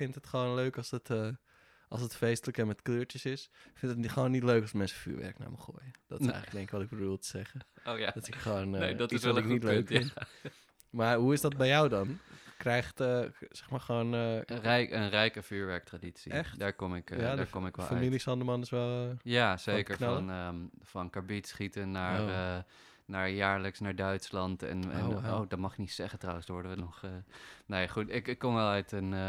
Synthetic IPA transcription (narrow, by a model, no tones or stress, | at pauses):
fɪntɦətχʋoːnløːkɑsətə | ʔɑlˠsətfejstələkəmɛtkløːɹtjəsɪsfɪntətχəʋoːnːitløɥkɔlsmɛnsəfy̰ːɹʋɛ̰rkna̰ːmṵχo̰ːjəd̥ɔ̰tɪsɛ̰jxləəɡdɛŋkəkʋɔtɪkɡbədulˠtə̥z̥ɛχədɔtsɪkχəʋoːndtsɪknitløːkɪn | maɹɦuɪsdɔt̚bɛjɔwdɔnkrɛjxtəsɛxmaːɹχʋoːnɛjənrɛjkəfyːɹʋɛɹk̚traditsḭɛxdaːɹkɔmɪkdaːɹkɔmɪkʋɛl̰ːilisɑndəmɑnɪsʋɛlˠjaz̥ejkkəɹɔnəfɑnkaɹbitsχitənaːɹ | naːɹjaːɹləksnaːɹdœɥtslɑntɛ̰nɛ̰nowdɔtmɑχɪk̚nitsɛχəntrawə̃nsdʋɔɹdəʋənɔχənejχutɪkɪkːɔmʋɛlˠœɥtən